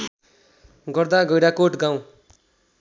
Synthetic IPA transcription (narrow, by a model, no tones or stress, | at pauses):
ɡʌrd̪aɡʌjɾakoʈɡaw̃